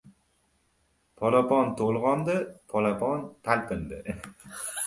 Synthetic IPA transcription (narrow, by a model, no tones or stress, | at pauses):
pʰɒlapɒnt̪ʰolˠʁɒnd̪ɪpʰɒlapʰɒnt̪ʰalpɪnd̪ɪ